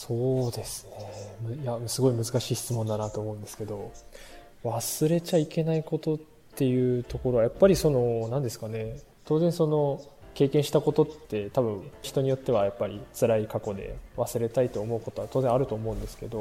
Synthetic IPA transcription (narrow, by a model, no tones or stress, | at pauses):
soːd̪e̞sɨ̥ne̞mɯjasɨɡo̞imɯ̟zɨkaɕiːɕi̥t͡sɨmond̪anat̪o̞ːmo̞ɯ̃nd̪e̞sɨ̥ke̞d̪o̞ | βasɨɾe̞t͡ɕaike̞naiko̞t̪o̞tt̪ːe̞jɯ̟ːt̪o̞ko̞ɾo̞βajapːaɾʲiso̞no̞nãnd̪esɨ̥kane̞ | t̪oːzẽ̞ɲ̃so̞no̞ | ke̞ːkẽɰ̃ɕi̥t̪ako̞t̪o̞t̪ːe̞t̪abɯ̟̃ɰ̃çi̥t̪o̞ɲ̟ijo̞t̪ːe̞β̞ajapːaɾʲit͡sɨɾaikako̞d̪e̞̰βasɨɾe̞t̪ait̪o̞ːmo̞ɯ̟ko̞t̪o̞at̪o̞ːzẽaɾɯ̟t̪o̞ːmo̞ɯ̟̃nd̪e̞sɨ̥ke̞d̪o̞